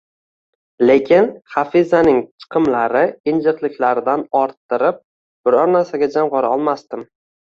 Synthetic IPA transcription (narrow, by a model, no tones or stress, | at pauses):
le̞kʲʰɪnχafizanɪŋt͡ʃʰɨ̥qʰɨmlaɾɪɪnd͡ʒɨqlˠɪkʲlaɾɪd̪anɒɾt̪ːɪɾɪp̚ | b̥ɪɾɒɾnaɾsaɡʲad͡ʒamʁɒɾaɒlˠmast̪ɪm